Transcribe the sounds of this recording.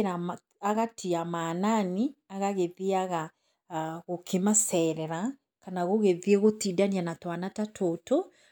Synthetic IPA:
ɾa | aɣatʰiamaːnaniaɣaɣeðieaɣa | ɣokʰemasɛːɾɛɾa | kanaɣoɣeðieɣotiːdanianatwanatatʰoto

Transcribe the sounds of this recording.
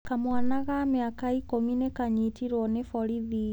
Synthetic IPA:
kamwanaɣameakaikominekaɲitiɾwɔnefɔɾiði

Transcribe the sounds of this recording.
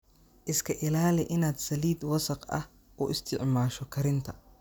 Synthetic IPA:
ʔɪskʰɐʔɪlaːlɪʔɪnaːd̪sɐliːd̪wɐsɐqɐ̰h | ʊ̰ʔɪst̪ʰɪʕmaːʃɔkʰɐɾɪnt̪ʰɐ

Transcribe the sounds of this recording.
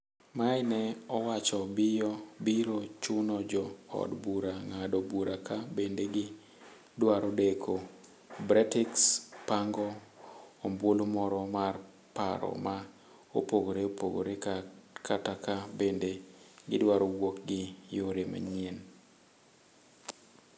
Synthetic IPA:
maɪnɛɔwat͡ʃɔbɪbiɾot͡ʃʊnɔd͡ʒɔɔ̰dbuɾaŋadɔbuɾakabendeɡɪ | dwaɾodekʰo | bɾɛtɪkspaŋɡɔː | mbolmɔɾɔmar | pa̰ɾɔ̰ma | o̰poɡoɾeopoɡo̰ɾekkʰatakabendeɡɪdwaɾoɡwok̚ɡɪjoɾema̰ɲen

